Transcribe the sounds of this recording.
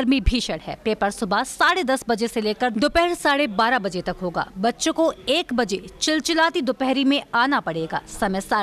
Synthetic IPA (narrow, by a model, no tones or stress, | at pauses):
ɾmibʱiʃɐɽɦɛ̰ːpeːpəɾsʊbʱasaːɽed̪ɐsbɐd͡ʒeseleːkəɾd̪ʊpɛɦɽsaːɽebaːɾabɐd͡ʒet̪ɐkɦoːɡa̰ːbɐtːʃõkoeːkbɐd͡ʒet͡ʃɪlt͡ʃɪlaːt̪id̪ʊpɛɦɾimẽaːnapɐɽeːɡa̰ːsɐməjsaː